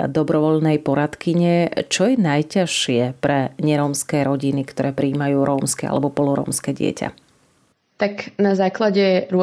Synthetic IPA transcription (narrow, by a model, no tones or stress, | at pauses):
d̪ɔbɾɔʋɔʎnɛjpɔɾat̪kiɲɛt͡ʃɔjɛnajcaʃɪɛpɾɛɲɛɾɔːmskɛːɾɔɟinikt̪ɔɾɛːpɾiːmajuːɾɔːmskɛa̰lɛbɔpɔlɔɾɔ̰ːmskɛɟɪɛ̰ca̰ | t̪aknazaːklaɟɛɾʊ